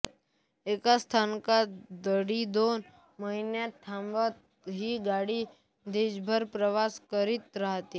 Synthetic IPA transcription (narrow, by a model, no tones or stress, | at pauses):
ekast̪ʰankad̪əɽid̪on | məɦinjaʈ̪ʰːãmʋat̪ | ɦiɡaɽi | d̪ed͡ʒbʱəɾpɾəʋaskəɾit̪ɾəɦt̪e